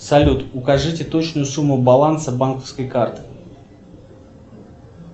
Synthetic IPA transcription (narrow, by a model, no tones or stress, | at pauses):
sɐlʲut̪ʊkɐʐɨtʲɪt̪ot͡ɕnʊjʊsumːʊbɐlˠansəbankəfskəjkart̪ɨ̥